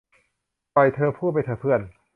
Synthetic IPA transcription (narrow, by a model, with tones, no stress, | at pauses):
ɔ˨˩jt̪ʰɤː˧pʰuː˥˩ma˧jt̪ʰɤː˧˩pʰɯ˥˩ən